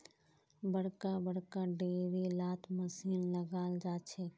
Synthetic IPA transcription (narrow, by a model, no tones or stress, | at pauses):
bəɽkabəɽ̤kaɖeːɾilaːt̪ʰməsiːnləɡaːld͡ʒaːt͡ʃʰe